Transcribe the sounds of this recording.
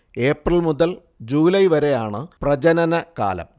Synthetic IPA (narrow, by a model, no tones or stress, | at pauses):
e̞ːprɐɭmuðɐl | d͡ʑuːlɐjʋɐɾe̞jaːɳɨprɐd͡ʑɐnɐnɐka̰ːlɐ̰m